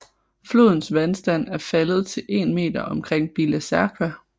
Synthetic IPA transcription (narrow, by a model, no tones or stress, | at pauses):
flo̝ðˠn̩sʋænsd̥æn̰æɐfæləð̞̩ˠt͡sʰe̝lʔe̝ːnme̝̰ːd̥ɐɒ̽mkʰʁeŋ̰b̥ilæsæɐkʰæ